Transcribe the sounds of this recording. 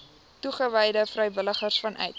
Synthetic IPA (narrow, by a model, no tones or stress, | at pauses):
tuχəvɛjdəfrɛjvələχərsfɐnʔœ̰ɥt̚